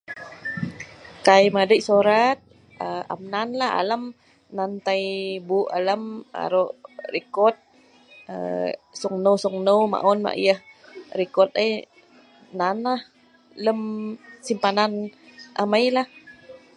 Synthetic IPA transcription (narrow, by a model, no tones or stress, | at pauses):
kajmadəjʔsuɾat̪̚ | əa̰mnanlaɦa̰ləm | nant̪ajbuʔa̰ləma̰ɾoʔɾikɔt̪̚ | ə̰suŋnəwsuŋnəwma̰ʔɔnma̰ʔḭjəhɾikɔt̪̚əj | nanah | ləmsimpananʔamajlah